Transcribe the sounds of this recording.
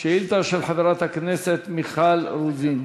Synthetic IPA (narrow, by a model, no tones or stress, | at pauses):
ʃeilt̪aʃelħaveʁat̪hakneset̪miχalɾuzin